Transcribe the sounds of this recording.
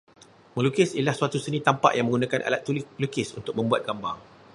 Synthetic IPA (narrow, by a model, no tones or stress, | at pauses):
mə̃lukɪsilahsuat̪usənĩt̪ampa̰ʔjaŋmə̃ŋɡunãkanʔa̰lat̪̚ːullukɪsunt̪ʊk̚mə̃mbuat̪̚ɡ̥amba̰ŋ